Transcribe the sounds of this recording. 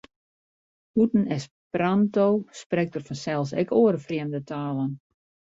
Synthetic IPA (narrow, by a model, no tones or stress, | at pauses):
hutn̩ɛs | prantowsprɛk̚tərfɔnsɛlˠs̬ɛ̰koːəɾəfriəmdətʰaːlˠən